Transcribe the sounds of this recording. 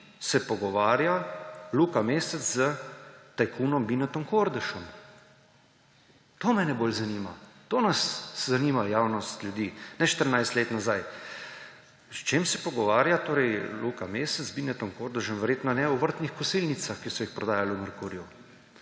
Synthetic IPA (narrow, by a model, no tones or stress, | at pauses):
sɛpɔɡɔʋaːɾjaluːkameːsɛt͡s̪zət̪ajkʰuːnɔmbinɛt̪ɔŋkoɾd̪əʃɔm | t̪oːmɛnɛbolzaniːmat̪oːnaszaniːmajaːwnɔst̪lʲjud̪iːnɛʃt̪əɾnajst̪leːt̪nazaj | st͡ʃemsɛpɔɡɔʋaːɾjat̪oːɾɛjlukameːsɛzbinɛt̪ɔŋkoɾd̪əʃɔnʋɛɾjeːt̪nɔnɛuʋəɾt̪nixkɔsilnit̪saxkisɔjixpɾɔd̪aːjaluməɾkuːɾju